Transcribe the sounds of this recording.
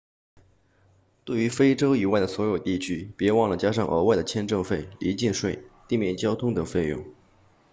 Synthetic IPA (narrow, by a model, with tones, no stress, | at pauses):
t̪we˥˩ɪy˧˥fe˥ɪʈ͡ʂo˥ʊi˨˩wa˥˩ɪd̪ə˩swɔ˧˥jo˨˩ʊt̪i˥˩t͡ɕʰy˥pjɛ˧˥wɑ˥˩ŋlə˩t͡ɕja˥ʂɑ˥˩ŋʔə̰˞˧˥wa˥˩ɪd̪ə˩t͡ɕʰjɛ˥nʈ͡ʂɤ˥˧ŋfe˥˩ɪli˧˥t͡ɕi˥˧nʂwe˥˩ɪt̪i˥˧mjɛ˥˩nt͡ɕjɑ˥ʊt̪ʰʊ˥ŋt̪ɤ˨˩ŋfe˥˧ɪjʊ̰˥˩ŋ